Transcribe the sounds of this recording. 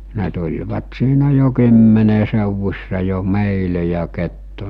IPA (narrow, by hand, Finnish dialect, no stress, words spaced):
ne tulʲʋɑt siːnæ jo kymːene seˑuʋusʲsɑ jo meˑile jɑ ketːu